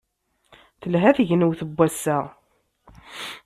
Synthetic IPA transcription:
θəlɦæθəʝnəwθəbʷːæsːæʁ

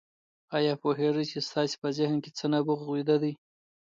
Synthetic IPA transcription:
ɑjɑpoɦeʐəjt͡ʃest̪ɑse̥pəzɪhnket͡sənabuɣɣwid̪ad̪əj

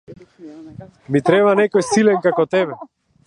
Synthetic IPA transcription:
mit̪ɾɛβanɛkɔjsilɛnkakɔt̪ɛβɛ

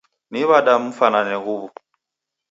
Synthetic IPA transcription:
niβaɗam̩fananɛɣuβu

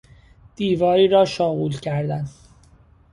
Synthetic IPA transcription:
d̪̥iːvɒːɾiːɾɒːʃɒːɣuːlcʰæɾd̪æn

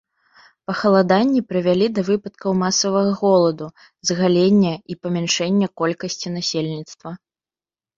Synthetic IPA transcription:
pɐxɐlˠad̪anʲːipɾɨvʲalʲid̪ɐvɨpɐt̪kɐwmasɐvɐɣɐɣɔlˠɐd̪u | zɣalʲenʲːɛipɐmʲanʂɛnʲːɐkɔlʲkɐsʲt͡sʲinasʲelʲnʲit̪st̪vɐ

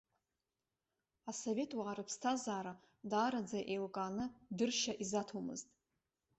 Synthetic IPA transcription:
asove̞tʰwaʕaɾɨpʰstʰazaːɾa | daːɾad͡zaʔelkʼaːnɨdɨrʃaʔizatʰomɨ̰ztʼ

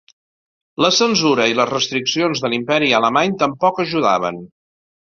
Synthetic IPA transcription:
ləsənzuɾəiləzrəst̪ɾiksionzðəlimpɛɾiələmaɲt̪əmpɔkəʒuða̰βə̰n

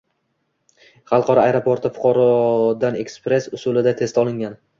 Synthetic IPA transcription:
χɑlˠqʰɒɾɒajɾopoɾt̪ʰɪfʊ̥qʰɒɾɒd̪ane̞kspɾe̞sʊsʊlɪd̪at̪ʰe̞st̪ʰɒlˠɪŋɡʲan

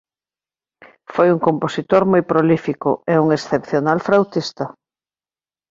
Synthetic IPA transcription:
fojuŋkomposit̪oɾmojpɾolifikʊɛuŋesθepθjonalfɾawt̪ist̪ɐ

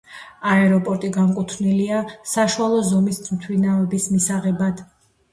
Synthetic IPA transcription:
aɛɾɔpʼɔɾt̪ʼiɡamkʼut̪ʰvniliasaʃualˠɔzɔmismt̪ʰwinavɛbismisaʁɛbad̪̥

